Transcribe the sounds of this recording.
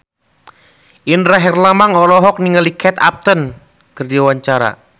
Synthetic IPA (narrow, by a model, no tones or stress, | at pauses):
ʔinraɦɛrlamaŋɔlɔɦɔk̚niŋalikʰɛt̪a̰p̚t̪ən | kərdiawaɲt͡ʃaɾa̰